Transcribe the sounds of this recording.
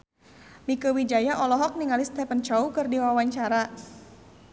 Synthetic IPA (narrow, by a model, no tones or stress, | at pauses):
mikəwid͡ʒajaʔɔlɔɦɔk̚niŋalist̪ɛpənt͡ʃaukɨrdiwawaɲt͡ʃaɾa